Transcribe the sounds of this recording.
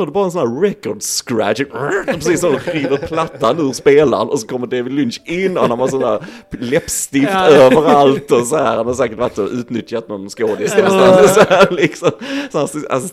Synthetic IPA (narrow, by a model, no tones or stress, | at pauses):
œːɖɵbɑːɾaɛnsɔnæːɾɾɛkːɔɖskɾæ̰pɾɛsiːsɔmd̪ɔsiːvəɾpʰlat̪ːanʉːɾspeːla̰nɔsɔkʰɔmːəd̪evɪd̪lʏnɕɪnːɔananvasɔnæːɾlɛpst̪ɪft̪øːvəɾalt̪ɔsɔhæːɾamans̬ɛːkət̪vat̪əʔʉ̟ːt̪nʏt̪jat̪̚nɔnskoːd̪ɪsksansɔæɾlɪksɔmsɔnæːsa̰sɔ